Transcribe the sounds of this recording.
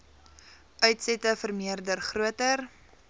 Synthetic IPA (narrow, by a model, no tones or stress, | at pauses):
ʔœɥtsɛtəfərmiərdərχruətər